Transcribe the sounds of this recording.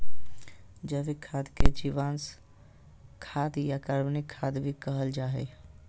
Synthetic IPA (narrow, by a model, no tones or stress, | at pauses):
d͡ʒəbekʰad̪ked͡ʒiʋans | kʰad̪jakəɾbnikʰːad̪bʱikəɦəld͡ʒaɦɛ